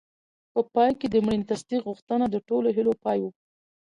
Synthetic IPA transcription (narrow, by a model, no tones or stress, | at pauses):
pəpɑjked̪əmɽint̪ast̪iɣuxt̪ənad̪əʈoloɦilopɑjwu